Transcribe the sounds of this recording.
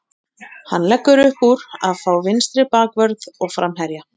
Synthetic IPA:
hanːlɛkːʏɾʏhpuɾa̰ðfaːwvɪnst̪ɾɪpaːkvœɾðɔɣfɾamɦɛɾja

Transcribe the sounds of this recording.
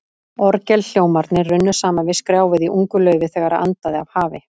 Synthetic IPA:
ɔɾcɛlɬjoːwmaɾt̪nɪrʏnːʏ̥saːmanvɪðskɾjaːwvɪðiʔuŋkʏlœːɥvɪθɛːɣaɾaa̰nt̪aðɪav̥haːvɪ

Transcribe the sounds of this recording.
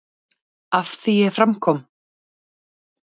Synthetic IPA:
afθiɛfɾamkʰɔm

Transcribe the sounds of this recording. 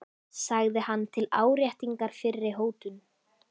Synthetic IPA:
saɣðɪhanːt̪ʰɪlaːwɾjaht̪iŋkaɾ̥fɪɾːɪɦoːwt̪ʏn

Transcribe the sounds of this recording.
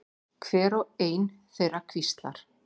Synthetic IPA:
kʰvɛːɾɔeːjnθejɾakʰvist̪la̰ɾ̥

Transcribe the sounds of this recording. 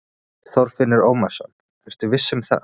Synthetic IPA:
θɔwɾ̥fɪnːɪɾoːwmasa̰n | ɛr̥t̪ʏvɪsːɪmθa̰

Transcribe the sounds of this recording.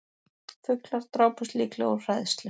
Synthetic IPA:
fʏklaɾ̥t̪ɾaːwpʏsliːklɛ̰ɣɔr̥ajðst̪lʏ

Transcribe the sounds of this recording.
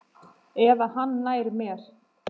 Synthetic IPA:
ɛvahanːaːjɾmɛːɾ̥

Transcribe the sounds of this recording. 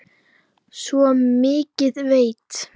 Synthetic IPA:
svɔmɪːcɪðveːjt̪

